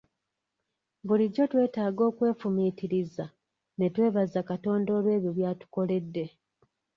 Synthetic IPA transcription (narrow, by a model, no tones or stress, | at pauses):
βuliɟːo̞twe̞ːtaːɡo̞ːkwe̞ːfumitiɾiza | ne̞twe̞ːβazakato̞ːndo̞ːlwe̞ːβjoβjaːtu̥ko̞le̞dːe̞